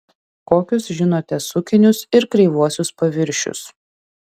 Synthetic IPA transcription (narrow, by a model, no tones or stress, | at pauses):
koːkʲʊsʒʲɪnoːt̪ʲɛsʊkʲɪnʲʊsɪɾkɾʲɛɪʋuɔsʲʊspɐʋʲɪɾʲʃʲʊ̰s